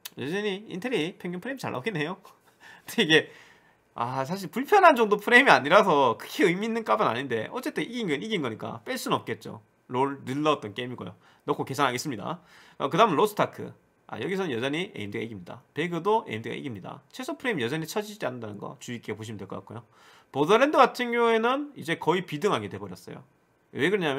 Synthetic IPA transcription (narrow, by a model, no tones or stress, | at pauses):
jʌd͡ʑʌɲiḭntʰeɾipʰjeŋɡjumpʰɯɾeimit͡ɕaɭʔa̰oɡinːe̞jo | nteiɡe̞ | as̬ʰaɕ̬ʰiɭpuɭpʰjʌnɦand͡ʑʌŋdopʰɯɾe̞imiaɲiɾasʰʌkʰɯ̥kʰeɯjmiːnːɯnk͈abɯna̰ɲinde̞̰ʔʌt͡ɕ͈e̞t͈ʰeʔiɡinɡʌniɡinɡʌɲik͈a̰p͈eɭs͈unʌp̚k͈e̞t̚t͡ɕ͈o̰ | ɾoɭnɯɭːʌʌt͈̚ʌnk͈eimiɡo̰jo̰ | nʌkʰoke̞sʰanɦaɡe̞s͈ɯmɲida̰kakɯdaɦɯmnɭɾosʰɯ̥tʰakʰɯ̰ | a̰jʌɡisʰʌnɯnjʌd͡ʑʌɲiʔḛimdɯɡa̰ḭɡimɲida̰pe̞ɡjodoʔḛimdɯɡa̰ʔḭɡimɲida̰t͡ɕʰesʰopʰɯɾe̞imijʌd͡ʑʌɲit͡ɕʰʌd͡ʑid͡ʑid͡ʑianːɯndanɯnɡʌ̰t͡ɕuikʰeepoɕ̬ʰimɯndweɭkʌk͈a̰k͈ojo | podʌɾendɯɡatʰɯnɡjʌŋue̞nɯnid͡ʑe̞kʌipidɯŋɦaɡetwe̞bʌɾjʌs͈ʌjo̰ | we̞ɡɯɾʌɲamj